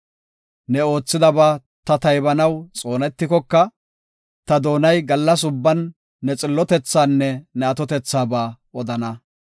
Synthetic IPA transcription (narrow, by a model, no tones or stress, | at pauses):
nɛo̞ːt͡sːɪd̪ɐbaː | t̪ɐt̪ɐjbɐnɐwt͡sʼo̞ːnɛt̪ːɪkɔkːɐ | t̪ɐd̪o̞ːnɐjɡɐlːɐs̬ʊbːɐnː | ɛt͡sʼɪlːɔt̪ɛt͡sːaːnːɛnɛɐt̪ɔt̪ɛt͡sːaːbaː | ɔd̪ɐnɐ